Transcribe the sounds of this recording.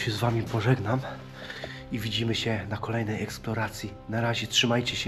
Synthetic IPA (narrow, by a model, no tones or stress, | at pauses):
ɕɛzvamʲipɔʐɛɡnam | ivʲid͡ʑimɘɕɛnakɔlɛjnɛjɛksplɔɾat̪sʲji | naɾaʑɛtʂɘmajt͡ɕɛɕɛ